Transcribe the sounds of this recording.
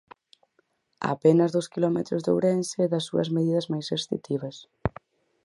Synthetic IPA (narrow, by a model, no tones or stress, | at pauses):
a̰pɛnɐzðʊskilɔmet̪ɾʊzðo̰wɾensɪɛðɐsːuɐ̰zmeðiðɐzmajsest̪ḭt̪ʰiβɐs